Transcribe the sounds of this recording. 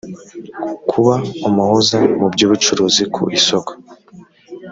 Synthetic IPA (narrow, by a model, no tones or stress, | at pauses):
kʰuβaumuhuzamubɟoːβut͡ʃuɾoːzikʰṵʔisoko̥